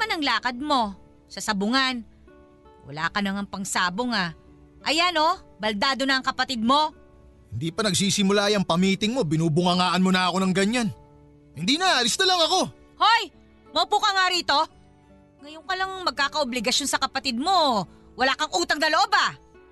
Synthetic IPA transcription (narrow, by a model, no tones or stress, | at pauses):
manɐŋlaːkɐd̪̚mo̞ | sɐsɐbʊŋan | wɐ̰la̰ːkɐnɐŋɐŋpɐŋsaːboŋa | ʔɐjano̞bɐld̪aːd̪o̞nɐːŋkɐpɐt̪ɪd̪̚mo̞ | hɪnd̪iːpɐnɐɡsiːsɪmʊlaːjɐŋpɐmiːt̪ɪŋmo̞bɪnuːbʊŋɐŋaːʔɐnmonɐɐko̞nɐŋɡɐɲan | hɪnd̪iːnɐʔɐlɪst̪ɐlɐŋɐko̞ | hoj | mɐpuːkɐŋaɾiːt̪o̞ | ŋɐjoŋkɐlɐŋɐŋmɐɡ̚kaːkɐʔoblɪɡɐso̞nsɐkɐpɐt̪ɪd̪̚mo̞ | wɐlaːkɐŋʔuːt̪ɐŋnɐloʔo̞ba